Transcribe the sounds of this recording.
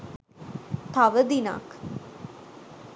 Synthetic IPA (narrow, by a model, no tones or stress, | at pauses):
t̪aʋəd̪ina̰k